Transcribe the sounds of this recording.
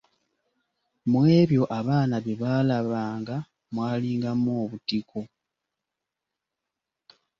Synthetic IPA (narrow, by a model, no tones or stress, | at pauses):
mwe̞ːβjo̞ʔaβaːnaβeβaːlaβaːŋɡa | mwaːliːŋɡamwoːβutikʰo̞